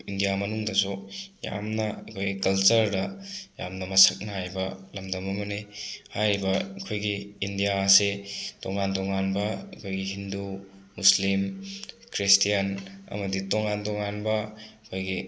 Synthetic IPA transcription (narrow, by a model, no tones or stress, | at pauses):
indijamɐnuŋdɐsoja̰mnɐɐkʰojɡikɐlt͡ʃɐɾdɐja̰mnɐmɐsɐk̚nɐhajbɐlɐmdɐmɐmɐnehajɾibɐkʰojɡiindijaɐsetoŋantoŋanbɐkʰojɡiɦindu | muslim | kɾistijɐnɐ̰mɐditoŋantoŋanbɐɐkʰojɡi